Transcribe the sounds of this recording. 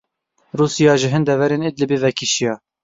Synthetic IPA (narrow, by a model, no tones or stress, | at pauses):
ruːsijɑːʒɪɦɨnd̪ɛvɛɾeːnɪd̪lɨbivɛkʰiʃijɑː